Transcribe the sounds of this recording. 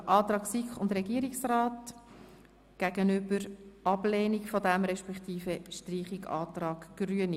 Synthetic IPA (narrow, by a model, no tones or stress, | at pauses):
ʔɑːt̪ɾɑːksikχʊndɾɛɡiəɾiksrɑːt | ɡ̥æɡ̥ənʏbəɾʔɑb̥lɛːnikfɔdæmɾɛʃpɛkt̪iːfəʃtriːχiɡɑ̰ːtɾɑːɡ̥ɡ̥ɾyəni